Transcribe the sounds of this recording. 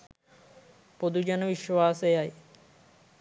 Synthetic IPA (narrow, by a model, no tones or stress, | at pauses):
pod̪ud͡ʒanəʋiʃʋaːsejaj